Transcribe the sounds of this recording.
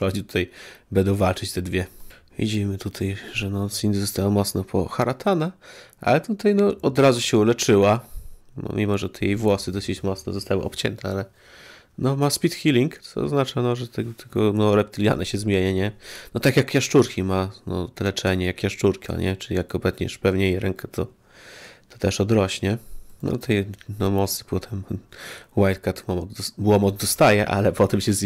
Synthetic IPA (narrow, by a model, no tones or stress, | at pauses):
ɔd͡ʑit̪u̥t̪ajbɛnd̪ɔ̃w̃valt͡ʂɨt͡ɕt̪ɛd̪vʲjɛ | vʲḭd͡ʑimɘt̪ut̪ʰajʐɛnɔsind̪ʲizɔst̪awamɔt̪snapʰɔ̰xaɾat̪ʰanaʔa̰lɛt̪ut̪ajnɔɔd̪ɾazuɕɛulɛt͡ʂɘwanɔ̰mʲimɔʐɛt̪ɛjejvwɔsɨd̪ɔsɘt͡ɕmɔt̪snɛzɔst̪awɨ̰ʔɔpt͡ɕɛ̰nt̪ʰɛalɛ | nɔmaspʲit̪xʲilʲiŋkt̪sɔɔ̰znat͡ʂanɔʐɛt̪ɛɡt̪ʰɛɡɔnɔɾɛpt̪ɘlʲja̰nɛɕɛzmʲjeɲɛɲɛnɔt̪akʲjakːjaʂt͡ʂuɾkʲimanɔ̰t̪ɛlɛt͡ʂɛɲɛjakːjaʂt͡ʂuɾkʲiɔ̰ɲɛt͡ʂɨlʲijakːɔmplɛt̪ɲɛ̰ʂpɛvɲɛjejɾɛŋkʰɛt̪ʰɔ | t̪ɔ̥t̪ɛʂɔd̪ɾɔɕɲɛnɔ̰t̪ʰɛjnɔmɔt̪snɛ̥pɔt̪ʰɛm | wajt̪kat̪mɔmɔd̪ɔbwɔmɔd̪d̪ɔst̪ajɛʔa̰lɛpɔt̪ɛmɕɛz